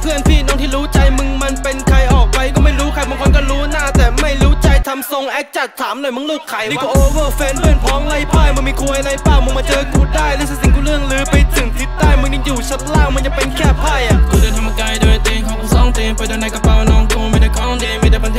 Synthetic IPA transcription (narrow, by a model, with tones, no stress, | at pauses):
pʰɯ˥˩ənpʰiː˥˩nɔː˧˥ŋt̪ʰiː˥˩ɾuː˦˥t͡ɕa˧jmɯ˧ŋma˧npe˧nkʰa˧jʔɔː˨˩k̚pa˧jkɔː˥˩ma˥˩jɾuː˦˥kʰa˧jma˧kʰːnkɔː˥˩ɾuː˦˥naː˥˩t̪ɛː˨˩ma˥˩jɾuː˦˥t͡ɕa˧jt̪ʰa˧mso˧ŋʔɛː˦˥k̚t͡ɕa˨˩t̪ʰːaː˩˦mnɔ˨˩jma˧˥˦nluː˥˩t̪̚kʰa˨˩ji˧˦kɔ˧˩ʔoː˧wɤː˥˩fɛː˧npʰɯ˥˩ənpʰɔː˦˥ŋla˧jpʰaː˥˩jma˧nmiː˧kʰuː˧əjna˧jpaː˥˩wmɯ˧maː˧t͡ɕɤː˧kuː˧˩daː˥˩jlɯː˦˥sa˧˩si˨˩ŋkʰuː˧˩ɾɯ˥˩əŋlɯː˨˦pa˧jt̪ʰɯ˨˩˦ŋt̪ʰi˨˩t̪̚ːaː˧˩jmɯ˧ŋni˧˥˩juː˨˩t͡ɕʰa˦˥t̪̚laː˥˩wma˧nja˨˧ŋpe˧nkʰɛː˥˩pʰaː˧˥˩jʔa˨˩k̪uː˧˩daː˧˩jt̪ʰa˧m˧kaː˧jdoː˧˩jt̪iː˧kʰɔː˨˧˦ku˧sɔː˨˧˩ŋt̪iː˧pa˧jdoː˧na˧jka˧˩pa˧˩wnɔː˦˥ŋkuː˧˩mi˧˩da˧˩jkʰɔ˧˥˧di˧mi˧˩da˧˩ba˧nt̪ʰ